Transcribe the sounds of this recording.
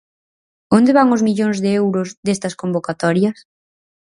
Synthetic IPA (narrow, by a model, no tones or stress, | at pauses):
ond̪eβaŋʊzmiʎoŋzðeewɾʊzðest̪ɐskombokat̪ɔɾjɐs